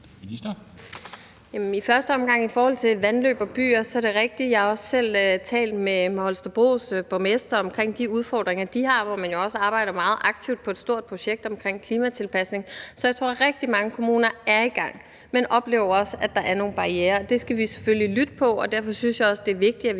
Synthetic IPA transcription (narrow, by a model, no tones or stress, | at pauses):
i̥ɐ | jæmnifɶɐsd̥əɒ̽mɡ̥ɑ̈ŋ̰ifɒːhɒ̽l̰t͡sʰe̝ʋænlø̰ːb̥ɒ̽b̥y̰ːɐsɒ̽æɐd̥e̝ʁɛɡ̥̚d̥ijɑhɑ̈ɒ̽ssel̰øt͡sʰɛ̰ːld̥mehɒlsd̥ɐb̥ʁo̝̰ːsb̥omesd̥ɐɒ̽mkʰʁeŋ̰d̥iuð̞ˠfɒ̰ːd̥ʁeŋɐd̥ihɑ̈ʋɒmænjo̝ɒ̽səɑ̈ːb̥ɑ̈ɪ̰ɾ̥ɐmɑ̈ːð̞̩ˠʔɑ̈ɡ̥̚t͡sʰiʊd̥̚pʰɒ̽ed̥sd̥o̝ɐ̰d̥̚pʰʁo̝ɕeɡ̥̚d̥ɒ̽mkʰʁeŋ̰kʰliːmæt͡sʰe̝lpʰæsne̝ŋsɒjät͡sʰo̝̰ɐ̰ʁɛɡ̥̚d̥imɑ̈ŋəkʰo̝muːnɐæɐiɡ̥ɑ̈ŋ̰ | menʔɒ̽b̥le̝̰ːʊɐɒ̽sæd̥ɑ̈ʔæɐno̝ːn̩b̥ɑ̈ieːɐd̥e̝sɡ̥æʋise̥føllilyd̥əpʰɒ̽ɒd̥æɐ̰fɒ̽synsjɑ̈ɪɒ̽sd̥e̝ɐʋe̝ɡ̥̚d̥iæ